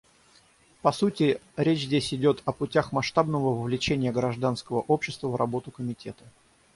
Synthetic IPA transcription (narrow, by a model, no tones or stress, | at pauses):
pɐsutʲɪɾʲet͡ɕzʲdʲesʲɪdʲo̞t̪ʰɐpʊtʲaxmɐʂt̪abnəvəvəvlʲɪt͡ɕenʲɪjəɡɾɐʐd̪anskəvəʔo̞pɕːɪst̪vəvrɐbo̞t̪ʊkəmʲɪtʲet̪ə̥